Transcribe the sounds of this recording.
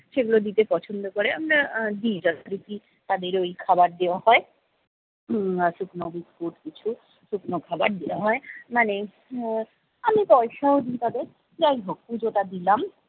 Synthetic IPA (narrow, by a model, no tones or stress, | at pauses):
ʃeɡulod̪it̪epɔt͡ɕʰond̪okoɾeamɾad̪id͡ʑat̪ɾiki | t̪ad̪eɾojkʰabaɾd̪ewahɔe | ʃuknobiskuʈkit͡ɕʰu | ʃuknokʰabaɾd̪ewaɦɔemane | amipɔeʃaod̪it̪ad̪eɾ | d͡ʑajɦoɡ̚pud͡ʑot̪ad̪ilam